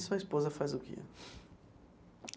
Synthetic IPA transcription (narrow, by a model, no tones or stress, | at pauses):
sʊɐispozɐfajzʊkɪ̰